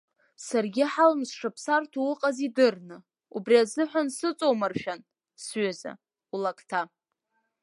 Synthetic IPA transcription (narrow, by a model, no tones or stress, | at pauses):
sarɡʲɪħalmsʂapʰsartʰuwʊqʼazidɨrnɨ | ubriazɨħʷᶣansɨt͡sʼowmarʃᶣan | sɥaza̰ | ulakʰʼtʰa